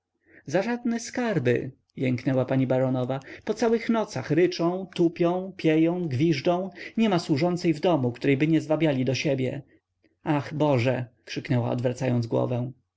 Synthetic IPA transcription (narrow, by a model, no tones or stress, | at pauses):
zaʐad̪̚nɛskaɾbɘ̰ | jɛŋknɛwapaɲibaɾɔnɔvapɔt̪sawɘxnɔt̪saxɾɘt͡ʂɔ̃w̃t̪upʲjɔ̃w̃pʲjɛjɔ̃w̃ɡvʲiʐdɔ̃w̃ɲɛmaswuʐɔnt̪sɛjvd̪ɔmukt̪uɾɛjbɘɲɛzvabʲjalʲid̪ɔɕebʲjɛ̰ | axbɔʐɛkʂɘknɛwa̰ɔ̰d̪vɾat̪sajɔnzɡwɔ̰vɛ̃w̃